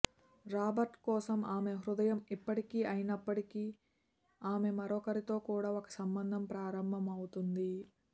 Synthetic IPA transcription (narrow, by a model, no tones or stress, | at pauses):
ɾaːbɐɾʈkɔːsɐmaːme̞ɦɾud̪ɐjɐmipːɐʈikiːʔɐjinɐpːɐʈikiː | aːme̞mɐɾɔkɐɾit̪o̞ːkuːɽaːokɐ̥sɐmbɐnd̪ʱɐmpɾaːɾɐmbʱɐmɐwut̪und̪i